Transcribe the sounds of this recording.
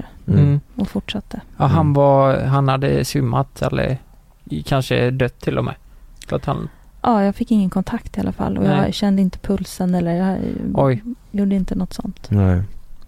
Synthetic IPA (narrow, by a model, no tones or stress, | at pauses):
ɔfʊʈʂat̪ːəaɦanvaɦanhad̪ːə̰sʏmːat̪ɛ̰lːə̰ɾ | kʰanʂə̰d̪œt̪ʰːɪlːɔmɛ̰lɔ̰t̪ʰha̰nʔɑːjɑːɡfɪkːɪŋːənkʰɔnt̪ʰakt̪ɪa̰lʔafa̰lːʔɔ̰jɑɕɛnd̪əɪnt̪ə̥pʰɵlsənɛlːəɾjɑʔɔj | juːɖəɪnt̪ənɔt̪ːsɔ̰nt̪